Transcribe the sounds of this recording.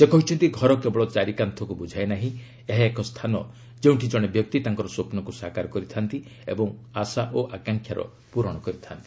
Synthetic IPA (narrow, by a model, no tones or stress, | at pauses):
d͡ʒekɔɦut͡ʃʰɔnt̪iɡʱɔɾɔkebɔɭɔt͡ʃaɾikant̪ʰɔkubud͡ʒʱajnaɦĩ | eɦeekʰɔst̪ʰanɔ | d͡ʒeũɳʈʰid͡ʒɔɽ̃ebjɔk̚t̪it̪aŋkɔɾɔsopnɔkusakaɾɔkɔɾit̪ʰant̪i | ḛbɔŋasaʔoʔakaŋkʰjaɾɔ̰ | puɾɔɽ̃ɔkɔɾit̪ʰant̪i̥